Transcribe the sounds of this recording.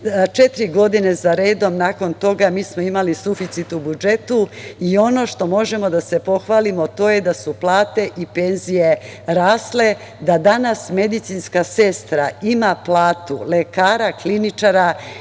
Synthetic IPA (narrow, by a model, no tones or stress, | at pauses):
t͡ʃe̞t̪ɾiɡo̞d̪ine̞zaɾe̞ːd̪o̞mnaːko̞nt̪o̞ɡamiːsmo̞imalisufit̪sit̪ubud͡ʒe̞t̪uio̞no̞ʃt̪o̞mo̞ʒe̞mo̞d̪ase̞po̞xʋaːlimot̪o̞ːje̞d̪asuplˠaːt̪e̞ʔipe̞nzije̞ɾaːsle̞ | d̪ad̪anasme̞d̪it̪sinskase̞st̪ɾaimaplaːt̪ṵlekaːɾaklinit͡ʃaɾa